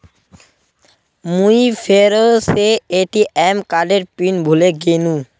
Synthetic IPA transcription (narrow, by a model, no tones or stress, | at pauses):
mujfʰeɾoseeʈiʔɛmkaɖeɾpinbʱuleɡenu